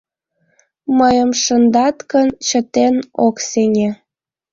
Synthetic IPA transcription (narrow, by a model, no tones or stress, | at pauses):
məjəmʃənd̪ɑt̪kənt͡ɕət̪enokseŋʲe